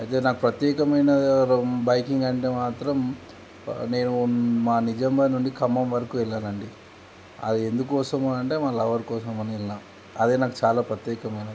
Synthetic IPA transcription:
ɐjt̪e̞ːnaːkupɾɐt̪jɛːkɐmɐjnɐbɐjkiŋɡɐɳʈeːmaːt̪ɾɐm | ne̞ːnumaːnid͡ʒɐmbaːnuɳɖikʰɐmːɐmʋɐɾɐkuːɛɭːaːnɐɳɖi | ɐ̰d̪iend̪ukːɔːsɐmɐnɐɳʈe̞ːmaːlɐʋɐɾkɔːsɐmɐniɛlːaːnu | ɐd̪eːnaːkut͡ʃaːlaːpɾɐt̪jɛːkɐmɐjnɐ

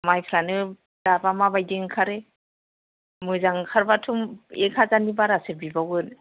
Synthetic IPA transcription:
majpʰɾanɯ | d̥abamabajdiŋkʰaɾe | mɯzaŋkʰaɾbatʰumekʰazanibaɾasebibawɯn

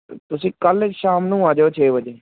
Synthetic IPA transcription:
t̪ʊsĩːkəlet͡ʃʃaːmnũːaːd͡ʒeoːt͡ʃʰeːbəd͡ʒeː

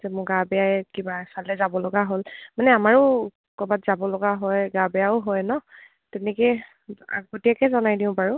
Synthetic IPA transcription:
zɛmʊɡabɛjaɛkibasalɛzabɔlɔɡaɦolmanɛamaɹʊ | kɔbatzabɔloɡaɦɔjɡabɛaʊɦɔjnɔ | tɛnɛkɛ | a̰ɡotijakɛzɔnajniʊ̃paɹʊ

